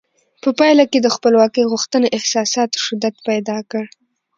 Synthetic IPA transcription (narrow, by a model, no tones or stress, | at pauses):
pəpɑjlaked̪əxpəlwɑkəjɣuxt̪əneʔɪhsɑsɑt̪o̥ʃɪd̪ad̪pajd̪ɑkəɽ